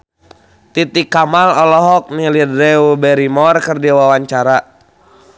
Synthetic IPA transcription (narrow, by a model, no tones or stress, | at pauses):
t̪it̪ikamalɔlɔɦɔk̚nilidɾɛubɛɾimɔrkərdiawawaɲt͡ʃaɾa